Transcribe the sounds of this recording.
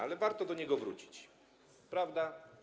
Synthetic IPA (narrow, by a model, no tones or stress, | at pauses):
alɛvaɾt̪ɔd̪ɔɲɛɡɔvɾṵt͡ɕi̥t͡ɕ | pɾavd̪a